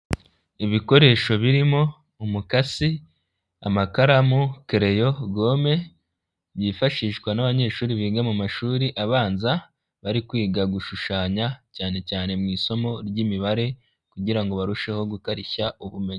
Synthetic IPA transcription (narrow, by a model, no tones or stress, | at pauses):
iβiko̞ɾe̞ːʃo̞βiɾimo̞ | umukasi | a̰makaɾamukeɾe̞jo̞ɡo̞ːme̞ | βjiːfaʃiːʃkwanaβaɲe̞ːʃuːɾiβiːɡamumaʃuːɾiʔaβaːnza | βaɾikwiːɡaɡuʃuʃaːɲacaːne̞caːne̞mŋiːso̞mo̞ɾɟiːmiβaɾe̞ | kuɟiɾaŋɡo̞βaɾuʃe̞ho̞ɡukaɾiçauβume̞ɲe